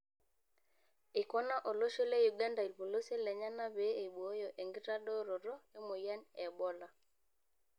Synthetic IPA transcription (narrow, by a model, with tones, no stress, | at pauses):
i˨kɔ˦na˦ʔo˨lo˦ʃo˦le˦ju˨ɡa˦nda˨i˨lpo˨lo˦se˦lɛ˨ɲa˦na˦be˨˦e˨ɓo˦jo˨ʔe˨ŋɡi˦ɾa˦ɗɔ˦ɾɔ˨ɾɔ˦jɔ˦mo˨ja˦nɛ˨ɓɔ˦la˨